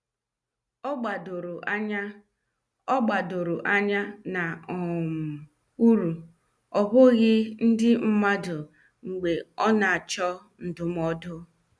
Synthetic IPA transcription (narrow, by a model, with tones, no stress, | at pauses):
ɔ˦ɡ͡ba˨do˨ɾɲa˦ | ɔ˦ɡ͡ba˨dʊ˨ɾʊ˨ʔa˦ɲa˦na˨ɔ˨m̩˨ | u˦ɾu˨ | ɔ˨bʊ˦ɣɪ˦n̩˦dɪ˦m̩˦ma˦dʊ˨ | ŋ͡m̩˨ɡ͡be˨ɔ˦na˨a˨t͡ʃɔ˦ | n̩˨dʊ˨m˦ɔ˦dʊ˦